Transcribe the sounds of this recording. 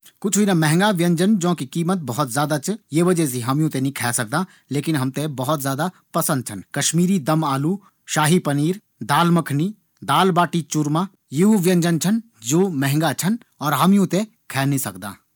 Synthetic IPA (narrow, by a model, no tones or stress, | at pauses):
kʊt͡ʃʰinamɛɦŋɡaʋjə̃ɲd͡ʒənd͡ʒõːkikiːmət̪̚bɐɦɔt̪zjaːd̪at͡ʃjeːʋɐd͡ʒɛs̬iɦɐmjũt̪enĩkʰɛːsɐk̚d̪ãː | leːkɪnɦɐmt̪ẽbɐɦɔt̪zjaːd̪a | pɐsə̃nd̪̚t͡ʃʰɐnkɐʃmiːɾid̪ɐmaːlu | ʃaːɦipɐniːɾ | d̪aːlməkʰni | d̪aːlbaːʈit͡ʃʊɾmãː | jeɦuʋjə̃ɲd͡ʒənt͡ʃʰən | d͡ʒoːmɛɦŋɡat͡ʃʰɐn | ɔːɾɦɐmjũt̪ẽ | kʰɛːnĩsɐkd̪a̰ː